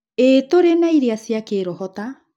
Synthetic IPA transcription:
etoɾenaiɾeasiakeːɾɔhɔta

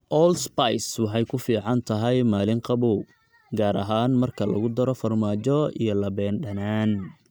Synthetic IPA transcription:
ʔɔːlspajswɑħɑjkʰʊfiːʕɑnt̪ʰɐɦɛjmaːlɪŋqɑβɔw | ɡaːɾɐɦaːnmɐrkʰɐlɐ̰ɣʊd̪ɐɾɔfɐrmaːt͡ʃɔḭjɞlɐbɛːnɖɐnaːn

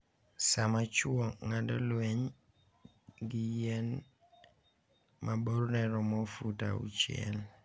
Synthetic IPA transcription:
samat͡ʃuɔŋadɔ̰lwɛɲ | ɡɪjɛn | mʔaboɾnɛɾɔmɔfuta̰ṵt͡ʃiɛ̰l

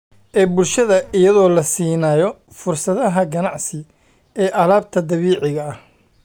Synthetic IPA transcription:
ʔɛːbʊlʃɐðɐʔɪjɐðɔːlɐsiːnaːjɔ | fʊrsɐðɐɦɐɡɐnɑʕsɪ | ɛːʔɐlaːb̚t̪ʰɐd̪ɐβiːʕɪɣɐːh

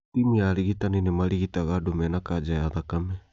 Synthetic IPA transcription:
imialiɡit̪aninemaliɡit̪aɡadomenakad͡ʒajat̪akame

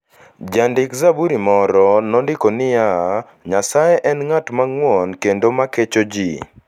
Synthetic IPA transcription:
d͡ʒandɪkzabuɾimɔɾɔnɔndɪkonɪja | ɲasajeʔɛnŋatmaŋwɔnkendomaket͡ʃod͡ʒi

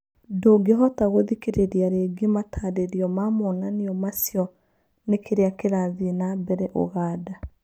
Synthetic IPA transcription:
doɡeɦɔtaɣoðikeɾeɾiaɾeɡematʰaːdeɾiɔmamɔnaniɔmasjɔ | nekʰeɾeakeɾaðinabɛɾɛʔo̰ɣaːda

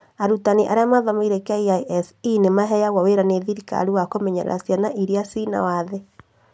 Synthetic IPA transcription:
aɾutaniʔa̰ɾeamaðɔmaiɾekeaiaʔɛsinemaɦɛjaɣwaweɾaneðiɾika̰ɾiwakomɛɲɛɾɛ̰ɾʔa̰sianaʔiɾiasina̰waðe

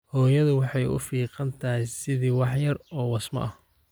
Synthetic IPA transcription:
hɔːjɐðʊwɑħɑjʊ̰fiːqɑnt̪ʰɐsɪðiwɑħjɐrɔːwɑsmɐ̰ʔɐh

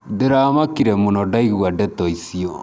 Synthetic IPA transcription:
deɾaːmakiɾɛmunɔdaiɣwadɛtɔisiɔ

